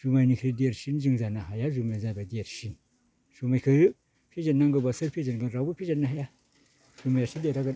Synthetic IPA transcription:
ʒ̥umanikɾidijaɾʃind͡ʒiŋzanaɦajaʒumajzabadijəɾʃin | sumakəj | pid͡ʒanːaŋɡəbasəɾpʲid͡ʒənɡənɾabupid͡ʒənnaɦaja | sumajaʃideɾaɡə

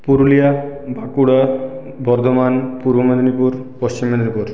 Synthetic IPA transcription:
puɾulijabʱakuɽa | bɔɾd̪ʱomanpuɾbomad̪nipuɾpɔst͡ɕimːed̪eɾupoɾ

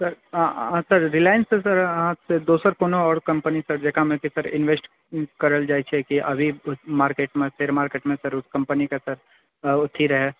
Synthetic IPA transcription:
sɐɾsɐɾɾɪlaːjənsesɐɾat̪sed̪oːsəɾkoːnoɔːɾkɐ̃mpənisɐɾd͡ʒɐkʰamẽkisɐɾɪ̰̃nʋeːsʈ | kɐɾəld͡ʒaːit͡ʃʰekiʔɐbʱiʊsmaːɾkeːʈmẽpʰɪɾmaːɾkeːʈmẽsɐɾʊskɐ̃mpənikasɐɾ | ʊt̪ʰːiɾɐɦeː

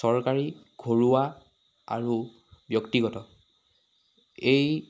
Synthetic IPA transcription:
ɔɹkaɹi | ɡ̥ʱoɹuwa | a̰ɹu | bjɔktiɡɔtɔ | ej

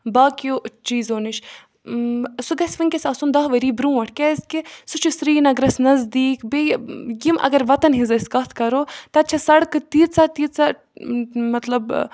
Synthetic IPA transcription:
baːkijot͡ʃiːzoːniʃ | suɡɐsʲʋiŋkʲesʲɐːsund̪ɐɦʋɐɾiːbɾũːʋɐʈʰkʲɛskisut͡ʃʰusɾiːnɐɡɾɐsnɐzd̪iːkbejimʔɐ̰ɡɐɾʋɐt̪ɐnɦizɐskɐt̪ʰkɐɾoːt̪ɐtt͡ʃʰɐsɐɽkɨt̪iːt̪sɐt̪iːt̪sa | mɐt̪lɐb

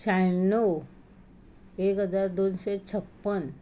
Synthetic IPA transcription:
sajnow | ekɦəd͡zaɾd̪onɕet͡ɕʰəpːən

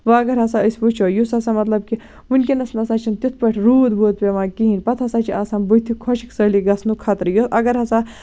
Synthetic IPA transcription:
ʋaɐɡɐɾɦɐsaəjsput͡ʃʰojusɐsamɐt̪lɐb̚ki | unkinɐsnɐsat͡ʃʰint̪it̪ʰpɐʈʰɾuːd̪boːd̪̚peʋãkiɦinʲpɐt̪ʰɐsaːt͡ʃʰiʔasaːnbut̪ʰikʰɔʃi̥ksɐliɡɐsʰnukʰat̪ɾjusɐɡɐɾɦɐsa

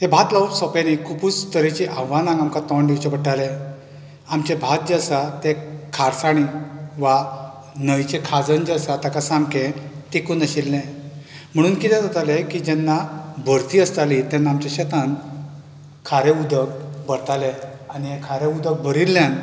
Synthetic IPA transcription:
ɦebʱat̪laʋpsɔpenikuput͡sːt̪əɾit͡ɕiʔaʋːanãŋɡamkat̪ɔɳɖewt͡ɕebəʈale | amt͡ɕebʱat̪̚d͡ʑasat̪ekʰaɾsaɽ̃iʋa | nəʋjt͡ɕekʰad͡zənd͡ʑasat̪akasamkẽt̪ekunəɕilːɛ̃ | m̤əɽ̃uːnkit̪ʰɛ̃d͡z̪ət̪alekid͡ʑɛnːabʱəɾt̪iːəst̪alit̪ɛnːaamt͡ɕeɕət̪an | kʰaɾeud̪ək̚bəɾt̪aleaniɦekʰaɾeud̪ək̚bʱəɾilːjan

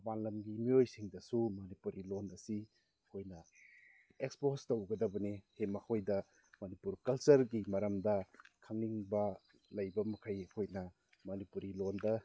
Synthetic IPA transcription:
baŋlɐmɡimiojsiŋdɐsumɐnipuɾilonɐsi | ɐkʰojnɐ | ekspostowɡɐdɐbɐnihemɐkʰojdɐ | mɐnipuɾkɐlt͡ʃɐɾɡimɐɾɐmdɐkʰaŋniŋbɐ | lɐjbɐmɐkʰɐjɐkʰojnɐ | mɐnipuɾilondɐ

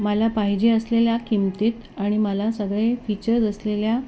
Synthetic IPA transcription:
məlapaɦid͡ʑeəsleljakimt̪et̪ | aɽ̃iməlasəɡɭefit͡ɕəɾd͡zəslelja

